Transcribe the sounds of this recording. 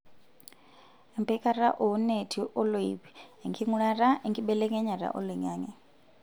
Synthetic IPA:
ɛ˨mbʰɛkʼa˦ɾa˦ʔɔ˨˦ne˨tʰi˨ʔɔ˦lo˨ḭβiɛ˨ŋkʰi˦ŋu˦ɺa˦ɾa˦ɛ˨ŋɡʰi˦ɓɛlɛ˦k̬ʼɛ˦ɲa˨ɾa̰˨ʔɔ̰˦li˨ɲaː˦ɲɛ˨

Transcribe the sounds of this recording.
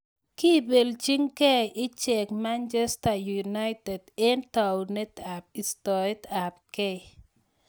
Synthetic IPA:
ki˦be˨lt͡ʃi˦ŋkɛ˦ʔɪ˦t͡ʃɛ˨kma˦nt͡ʃe˦sta˨ju˨na˦jte˨dɪ˦nta˨wne˦t̪a˨p̚i˨stɔ˨e˦ta˨p̚kɛ˦

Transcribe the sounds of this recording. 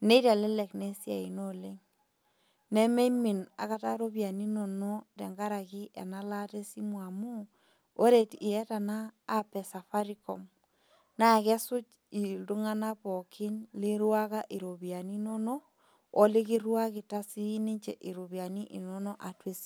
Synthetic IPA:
ne˦i˦ɾa˨le˦lɛ˨kne˦si˦a˨i˨no˦le˦ŋ | ne˦me˦mi˨na̰˨ka˦ta˦ɾo˦βja˨ni˦no˨no˦dɛ̰˨ŋɡa˦ɾa˨ɣi˦ʔḛ˨na˦la˦te˦si˦mwa˨mu˦ | o˦ɾe˨ti˨jɛ˦ta˨naː˦pɛ˨sa˨fa˦ɾi˦ko̰˨m | na˨ɣɛ˦su˦t͡ʃ | i˨du˦ŋa˦na˦pɔ˨kʰi˦nli˦ɾwa˦ɣa˦ʔi˨ɾo˨βja˨ni˦no˦no˦ | o˦le˦ɣi˦ɾwa˦ɣi˨ta˦si˦ne˦ɲt͡ʃe˨ʔi˨ɾo˨βja˨ni˦ʔi˨no˦nɔ˦ʔa˨twe˦si̥˦

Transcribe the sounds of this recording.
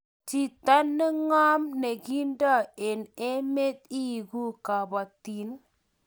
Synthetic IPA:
ti˨ta˦nːə˦ŋa˦mne˨ɡi˦nda˦e˨ne˦me˦t̪̚i˦˨ɡu˦ka˨ba˨t̪i˨˦n

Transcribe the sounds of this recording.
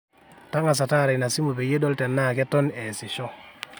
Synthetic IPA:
ta˦ŋa˨s̬a˨ta˦˨ɾa˨jna˨si˦mo˨be˨je˦dɔ˦ltɛ˨nːa˦˨kɛ˦tɔ˦nɛ˨sɪ˨ʃɔ˦

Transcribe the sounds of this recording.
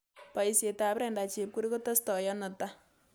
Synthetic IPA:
pa˨i˦sje˨ta˨pɾɛ˨nda˨t͡ʃe˨p̚ku˦ɾi˦ko˦tɐ˦stɔ˨jɔ˦nɔ˨ta˦

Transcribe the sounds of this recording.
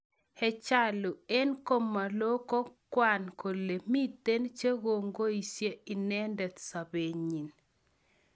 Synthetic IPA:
hɛ˨t͡ʃa˦˨lʊ˨e˦nko˦mːa˨lo˦kɔ˦kwa˨nko˨lːe˨mi˦t̪e˦nt͡ʃe˦ɡo˨ŋɡo˦i˨sje˦i˨nɛ˦ndɛ˨t̪sa˨be˨ɲi˨n

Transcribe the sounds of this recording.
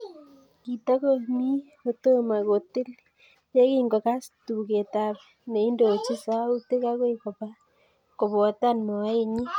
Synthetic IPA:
ki˨ta˦ko˦˨mi˦ | o˨to˦ma˨ko˨ti˦l | je˦kiː˦ŋɡo˨ka˦si̥tu˨ke˨ta˨βe˨ne˨i˦ndo˨t͡ʃi˦sa˦u˦te˦ka˦kwe˦ko˨pa˦ | ko˨βo˨˦ta˦nm˨a˨˦e˦˨ɲi˦

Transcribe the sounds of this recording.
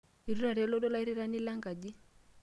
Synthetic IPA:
i˨ɾu˦ɾa˨ɾi˨ɛ˦lɔ˦dɔ˦la˦i˦ɾi˦ɾa˦ni˦la˦ŋɡa˨d͡ʒi˦

